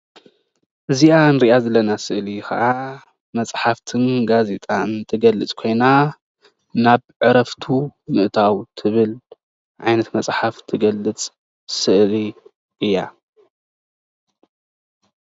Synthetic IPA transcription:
ʔɨziaɨnɾiʔazɐlɐnasɨʔlixɐ̰ʔa | mɐt͡sʼħaft̪ʰɨnɡaze̞t̪ʼant̪ʰɨɡɐlːɨt͡sʼkʰo̞jna | naβʕɨɾɐft̪ʰumɨʔt̪ʰawt̪ʰɨβɨl | ʕa̰jnɐt̪mɐt͡sʼħaft̪ʰɨɡɐlːɨt͡sʼ | sɨʔli | ʔɨjːa̰

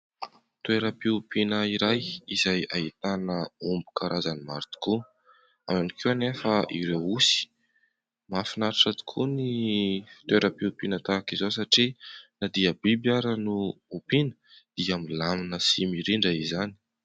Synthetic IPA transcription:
t̪ueɾəpiupinəiɾajizajait̪anəumbu̥kʰaɾʔazanima̰ɾt̪i̥ku | amanikewanefəʔḭɾewusi̥ | mafinaɾaʈ͡ʂat̪u̥kʰunii̥t̪ueɾəpiupinət̪akizosaʈ͡ʂinad̪iəbibjaɾənuupinə̥ | d̪̥iamilaminəsimiɾiɳɖ͡ʐaizani̥

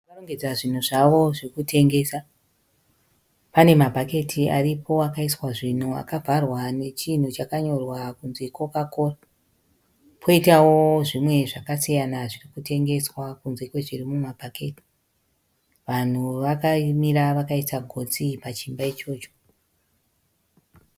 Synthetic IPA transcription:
karoŋɡed͡zaʐin̤uʐaʋo̞ʐiikutʰe̞ŋɡe̞sa | pane̞mabʱake̞tʰiʔa̰ripʰo̞akaiswaʐin̤ua̰kavʱarwane̞t͡ʃin̤ut͡ʃakaɲo̞rwakunzeko̞kako̞ra | pʰo̞itawoʐimwe̞ʐakasijanaʐirikute̞ŋɡe̞swakunzeko̞ʐirimumabʱakʰe̞ti̥ | ʋan̤uʋakamiɾaʋakaisaɡʱo̞t͡sipat͡ʃimbait͡ʃo̞ːt͡ʃo̥

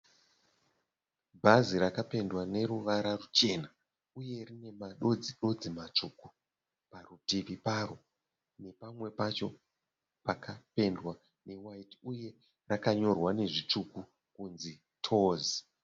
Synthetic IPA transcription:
bʱaziɾakape̞ndwane̞ɾuʋaɾarut͡ʃe̞na | uje̞rine̞maɗod͡ziɗo̞d͡zimat͡ʂuku | parutiʋiparo̞ | ne̞pamwe̞pat͡ʃo̞ | pakape̞ndwa | ne̞waitiuje̞ | rakaɲo̞rwane̞ʐit͡ʂuku | kunzi | tʰo̞ːzi

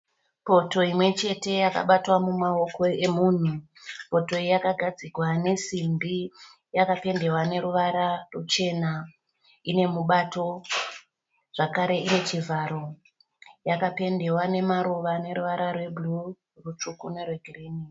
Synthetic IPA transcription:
po̞to̞imwe̞t͡ʃe̞te̞jaka̰ɓatwamumao̞ko̞e̞muːn̤u | po̞to̞ijakaɡʱad͡zikwane̞simbi | jakape̞nde̞wane̞ɾuʋaɾarut͡ʃe̞na | ine̞muɓato̞ | ʐ̥akaɾe̞ine̞t͡ʃivʱaɾo̞ | jakape̞nde̞wane̞maɾuʋane̞ɾuʋaɾarwe̞bʱlu | rut͡ʂukune̞rweɡʱireni

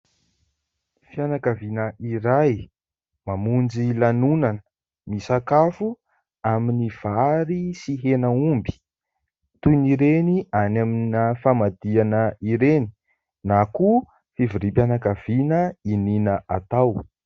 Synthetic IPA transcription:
fianakavinəʔiɾaj | mamund͡ʒilanunan | misakafu | aminiv̥aɾisiɦenəumbi̥ | t̪uniɾenianaminəfamad̪ianəiɾeni̥ | naku | fivuɾipanakavinəininəʔat̪aw

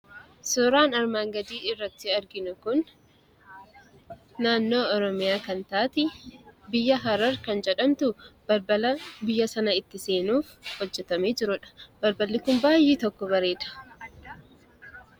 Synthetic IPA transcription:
sʊɾaːnɐɾmaːŋɡɐd̪iːɪrːɐt̪ːɪɐɾɡɪnʊkʊn | aːnːo̞ːɔɾɔmɪjaːkɐnt̪aːt̪ɪbɪjːɐɦɐɾɐɾkɐnd͡ʒɛᶑɐmt̪ʊb̥ɐɾbɐlɐbɪjːɐsɐnɐɪt̪ːɪse̞ːnuːfhɔd͡ʒːɛt̪ɐmeːd͡ʒɪɾʊᶑɐ̥b̥ɐɾbɐlːɪkʊmbaːjːeːt̪ɔkːɔbɐɾe̞ːd̪ɐ̥

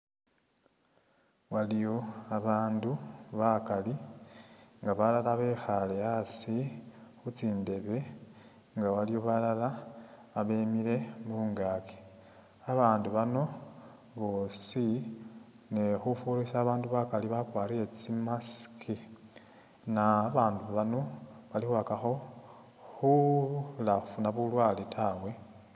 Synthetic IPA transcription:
walijo̞aβaːnduβakali | ŋɡaβalalaβe̞xale̞jasixut͡siːnde̞βe̞ | ŋɡawalijo̞βalalaː | βe̞ːmiɾe̞βuːŋɡaːke̥ | aβaːnduβano̞ | βo̞ːsi | nexufulisaːβaːnduβakaliβakwaːlie̞t͡simaskʰi | naβaːnduβano̞βalixwakaxo̞ | xulafunaβulwaːlitʰawe̞

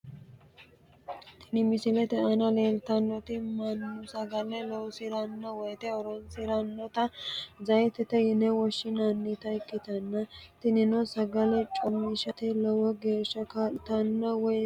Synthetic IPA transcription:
t̪ɪnɪmɪsɪlɛt̪ɛʔɐnɐleːlt̪ɐnːɔt̪ɪmɐnːʊsɐɡɐlɛlɔwsɪɾɐnːɔwɔjt̪ɛɔɾɔnsɪɾɐnːɔt̪ɐzɐjt̪ɛt̪ɛjɪnɛwɔʃːɪnɐnːit̪ɐɪkːɪt̪ɐnːɐt̪ɪnɪnɔsɐɡɐlɛt͡ʃʼɔmːɪʃɐt̪ɛlɔwɔɡe̞ːʃːɐkaːlɪt̪ɐnːɔwɔj

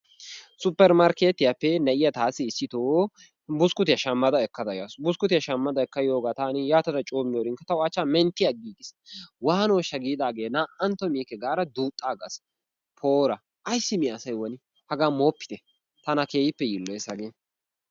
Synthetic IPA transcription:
sʊpːɛɾmɐɾkeːt̪ːɪjɐpːɛnɐʔɪjɐt̪aːsɪːsːɪt̪oː | bʊskʊt̪ɪjɐʃɐmːɐd̪ɐɛkːɐd̪ɐjasbʊskʊt̪ɪjɐʃɐmːɐd̪ɐɛkːɐjoːɡat̪aːnɪjaːt̪ɐd̪ɐt͡ʃʼoːmɪjoːɾɪŋkːɐt̪ɐʊɐt͡ʃːamɛnt̪ːɪjɐɡiːɡɪswaːnoːʃɐɡiːd̪aːɡeːnaʔɐnt̪ːɔmiːkːɛɡaːɾɐd̪uːt̪ʼːaːɡɐ̰s | pʰo̞ːɾɐ | ʔɐjsːɪmɪːsɐjwɔnɪ | hɐɡaːmoːpːɪ̥t̪ɛ | t̪ɐnɐkeːjɪpːɛjɪlːɔjsɐɡeː

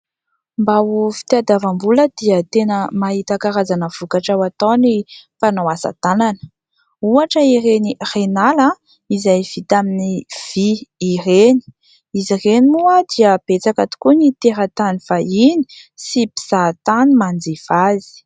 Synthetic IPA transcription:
mbaufi̥t̪iad̪avambuləd̪iət̪enəmaɦit̪akaɾazanəv̥ukaʈ͡ʂawat̪onipanawasa̰t̪ananə̥ | uaʈ͡ʂəiɾenirenalə | izajv̥it̪aminiv̥iːreni̥ | izirenimuəd̪iəb̥et͡sakat̪u̥kunit̪eɾat̪anifaini̥sipi̥z̥at̪animand͡ziv̥azi̥

